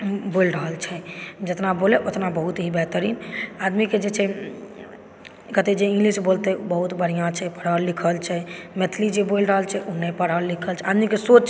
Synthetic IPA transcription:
bolɾəɦəlt͡ʃʰɛd͡ʒət̪naboleʔot̪nabəɦut̪ɦibɛɦt̪əɾinad̪miked͡ʒet͡ʃʰɛ | kət̪ed͡ʒeĩŋɡlisbolt̪ɛbəɦut̪bəɽ̤ijãt͡ʃʰɛpəɽ̤əɾlikʰəlt͡ʃʰɛmet̪ʰlid͡ʒebolɾəɦəlt͡ʃʰɛʔunɛpəɽəɾlikʰəlt͡ʃʰɛad̪mikesot͡ʃt͡ʃʰ

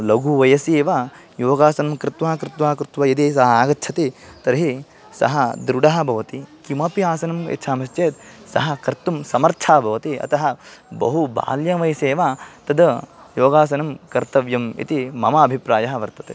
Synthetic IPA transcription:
lɐɡuʋɐjɐseːʋaː | joːɡaːsɐnɐmkɾɪt̪ʋaːkɾɪt̪ʋaːkɾɪt̪ʋɐid̪isɐɦɐaːɡɐtːt͡ʃʰɐt̪it̪ɐɾɦi | sɐ̰ɦɐd̪ɾuɖɐɦɐ̆bʱɐʋɐt̪ikimɐpiaːsɐnɐmḛt̪ːʃʰaːmɐst͡ʃeːt̪sɐ̰ɦɐ̆kɐɾt̪umsɐmɐɾt͡ʃʰaːbʱɐʋɐt̪iɐ̰t̪ɐɦɐbɐ̰ɦuba̰ːljɐʋɐjseːʋaːt̪ɐd̪ɐjoːɡaːs̬ɐnɐmkɐɾt̪ɐʋjɐmḭt̪imɐmɐɐbʱipɾaːjɐɦɐʋɐɾt̪ɐt̪e

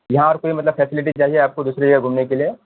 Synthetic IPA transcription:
jɐɦãɔːɾkoːimɐt̪ləbfɛːsɪlɪʈ̬it͡ʃaːɦieaːp̚kod̪uːsɾed͡ʒɐɡəɡʱumnekelie

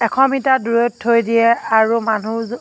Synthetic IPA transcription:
ɛkʰɔmitaduɹotʰːojdiɛaɹumanu

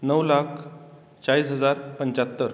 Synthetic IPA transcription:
nəwlakʰ | t͡ɕaɭiːsɦəd͡zaɾpəɲt͡ɕat̪ːəɾ

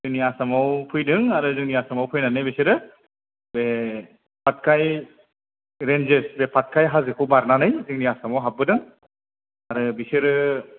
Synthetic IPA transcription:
zɯŋniasamawpʰujdɯŋaɾɯzɯŋniasamawpʰɯjnanɯjbisiɾɯ | be | pʰat̚kʰaj | ɾend͡ʒesbepʰat̚kʰajɦazɯkʰɯwbaɾnanɯjzɯŋniasamawɦab̚ɯdɯŋ | aɾɯbisiɾɯ

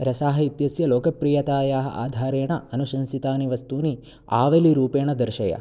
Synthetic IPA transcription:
ɾɐsaːɦɐit̪jɐsjɐloːkɐpɾijɐt̪aːjaːɦɐ̰ʔa̰ːd̪ʱaːɾeːɳɐɐnuʃɐnsit̪aːniʋɐst̪uːni | a̰ːʋeliɾuːpeːɳɐd̪ɐɾʃɐjɐ̰

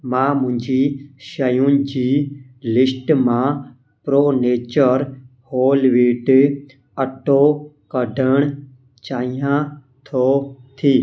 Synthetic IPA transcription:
mãːmʊ̃ɦɪ̃ɲd͡ʒiːʃəjũnd͡ʑiː | lɪsʈmã | pɾoːneːt͡ʃəɾ | hoːlʋiːʈ | əʈo | kəɖʱəɽ̃ | t͡ʃaːɦijã | t̪ʰoːt̪ʰiː

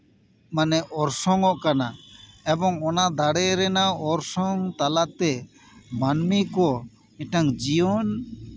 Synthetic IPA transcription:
manɛʔɔɾsɔŋɔʔkanaɛbɔŋɔnad̪aɽɛɾɛnaɔɾsɔŋt̪alat̪ɛ | manmikɔ | ɛʈaŋd͡ʒijɔn

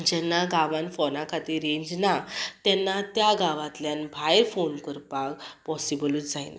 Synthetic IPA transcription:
d͡ʑɛnːaɡaʋãnfɔnakʰat̪iɾẽɲd͡ʑnat̪jɛnːat̪jaɡaʋat̪ljanbʱajɾfonkəɾpakpɔsibəlud͡zajna̰

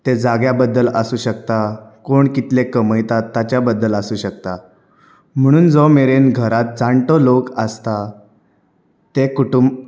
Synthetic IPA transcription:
t̪ed͡zaɡjabəd̪ːələsuːɕəkt̪akoɳkit̪lekəməjt̪at̪ːat͡ɕjabəd̪ːələsuːɕəkt̪a | m̤əɽ̃uːnd͡zɔmeɾenɡʱəɾat̪̚d͡zãɳʈɔlokəst̪a | t̪ekuʈumb

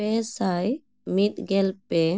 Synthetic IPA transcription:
ɛsaj | mit̪̚ɡɛlpe

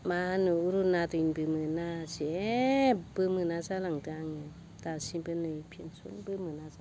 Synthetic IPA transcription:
mahanɯuɾunatuɲbɨmɨnasɛb̥ɨmɨnazalaŋtɯaŋɯ | tasibənɯjpʰinsunbɨmɯnaza

